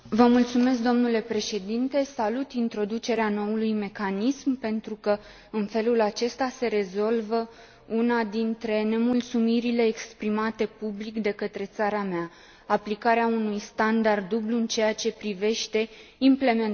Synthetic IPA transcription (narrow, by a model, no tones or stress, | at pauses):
vəmult̪sume̞s̬kd̪o̞mnule̞pɾe̞ʃe̞d̪int̪e̞salut̪int̪ɾo̞d̪ut͡ʃe̞ɾeano̞ulujme̞kanismpe̞nt̪ɾukə | ɨnfe̞lulat͡ʃe̞st̪ase̞ɾe̞zo̞lvə | unad̪int̪ɾe̞ne̞mult̪sumiɾile̞ːkspɾimat̪e̞publikd̪e̞kət̪ɾe̞t̪saɾameaː | plikaɾeaunujst̪and̪ard̪ːubluɨnt͡ʃe̞jat͡ʃe̞pɾive̞ʃt̪e̞imple̞men